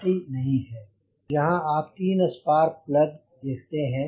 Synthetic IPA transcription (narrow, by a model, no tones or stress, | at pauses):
ʈinɐɦĩɦɛː | d͡ʒɐɦãaːpt̪iːnɐspaːɾplɐd̪ | d̪eːkʰt̪eɦɛ̃